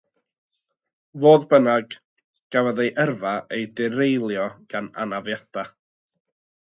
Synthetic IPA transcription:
voːðbənaɡ | ɡ̥avaðejʔərvaejdɪɾejlˠjɔɡ̥ana̰navjada

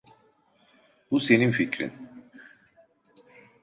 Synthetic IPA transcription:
b̥use̞ninficɾḭn

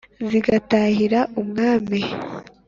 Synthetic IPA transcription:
ziɡataːhiɾaʔumŋaːmi

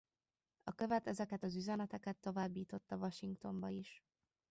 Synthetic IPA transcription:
ɒkø̞vɛt̪ɛzɛkɛt̪ɒzyzɛnɛt̪ɛkɛt̪ːo̞vaːbːiːt̪o̞t̪ːɒvɒʃiŋkt̪o̞mbɒiʃ

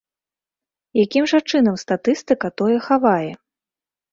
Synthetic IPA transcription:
jakʲimʐɐt͡ʂɨn̪ɐmst̪at̪ɨst̪ɨkɐt̪ɔjɛxavajɛ

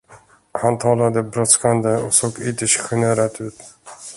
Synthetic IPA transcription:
hant̪ʰɑːlad̪əbɾɔt̪skand̪əɔksoːɡɪt̪əʂɧʏneːɾat̪ʉ̟ːt̪

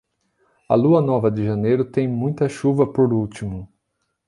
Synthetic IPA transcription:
ɐ̰luɐnɔvɐd̪ɪʒɐnejɾʊt̪ẽj̃mũj̃t̪ɐʃuvɐpoɾuwt͡ʃimʊ

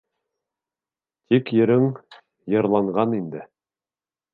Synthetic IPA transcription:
t̪ikjɘ̆ɾɘŋ | jɤ̆ɾlˠɑɴʁɑnind̪ɘ

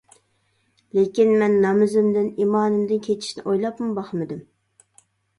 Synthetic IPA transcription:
lekʲinmɛnːɑmɨzɪmd̪ɪnimɑːnɨmd̪ɨnkʲʰet͡ʃʰi̥ʃnɪ̰ʔojlˠɑpmʊbɑχmɨd̪ɨm

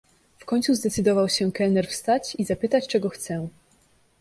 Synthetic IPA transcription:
fkɔɲt̪suzd̪ɛt̪sɘd̪ɔvawɕɛkɛlnɛɾfst̪at͡ɕizapɘt̪at͡ɕt͡ʂɛɡɔxt̪sɛ

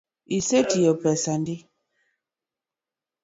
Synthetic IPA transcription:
isetijɔpɛsandi

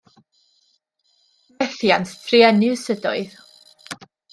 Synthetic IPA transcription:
ɛθjanttʰriɛnɪsədɔ̰ɨð

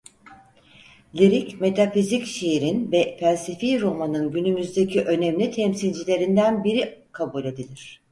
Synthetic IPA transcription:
lʲiɾicme̞t̪ʰafizicʃeiɾinvɛfælʲsifiɾo̞manɯnɟynymyzd̪e̞cʰiʔø̞nɛmlʲit̪ʰɛmsilʲd͡ʒilʲe̞ɾind̪ænbiɾikʰabulʲe̞d̪ilʲiɾ̝̥

